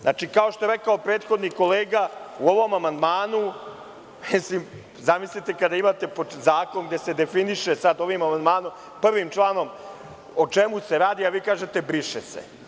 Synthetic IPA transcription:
znaːt͡ʃikaoʃt̪o̞e̞ɾe̞kaopɾeːt̪xo̞d̪niko̞leːɡauo̞ʋo̞mamand̪maːnu | mislim | zamislit̪ekad̪aimat̪e̞pozaːko̞nɡd̪e̞se̞d̪e̞finiʃesad̪o̞ʋimamand̪maːnom | pr̩ʋimt͡ʃlˠaːno̞m | ot͡ʃe̞muse̞ɾaːd̪iaʋiːkaːʒe̞t̪ebɾiʃesḛ

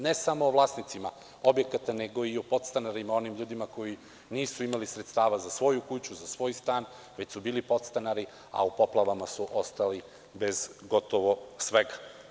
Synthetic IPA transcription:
nesamoːʋlˠaːsnit̪sima̰ | o̞bje̞kat̪ane̞ɡo̞iopo̞t̪st̪anaɾimao̞nimʎuːd̪imako̞ji | niːsuimalisɾet̪st̪aːʋazasʋo̞jukut͡ɕuzasʋo̞ːjst̪aːn | ʋe̞t͡ɕsubiːlipo̞t̪st̪anaɾi | a̰upo̞plˠaʋamasuʔo̞st̪ali | be̞zɡo̞t̪oʋosʋeɡa

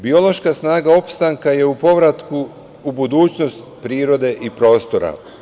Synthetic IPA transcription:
bio̞lo̞ʃkasnaːɡao̞pst̪aŋkaje̞upo̞ʋɾat̪ku | ubud̪uːt͡ɕno̞st̪pɾiːɾo̞d̪e̞ʔipɾo̞ːst̪o̞ɾa̰

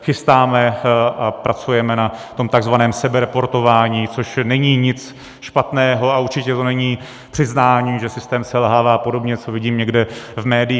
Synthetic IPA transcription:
xɪst̪aːmɛʔapɾat͡sujɛmɛnat̪o̞mt̪aɡzvanɛːmsɛbɛɾɛpo̞ɾt̪o̞vaːɲiːt͡so̞ʃnɛɲiːɲɪt͡s | ʃpat̪nɛːɦo̞auɾt͡ʃɪcɛt̪o̞nɛɲiː | pr̥ɪznaːɲiːʒɛsɪst̪ɛːmsɛlɦaːvaːpo̞do̞bɲɛt͡so̞vɪɟiːmɲɛɡdɛvmɛːdɪ

